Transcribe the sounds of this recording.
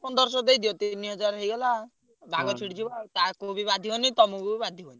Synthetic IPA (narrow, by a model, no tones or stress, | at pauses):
pɔnd̪ɔɾsɔd̪ejd̪ijɔt̪iniɦʌd͡ʒaɾɦejɡɔla | bʱaɡɔt͡ʃʰiɽt͡ʃʰibat̪akoubibad̪ʱiɦonit̪ɔmukubibad̪ʱiɦoni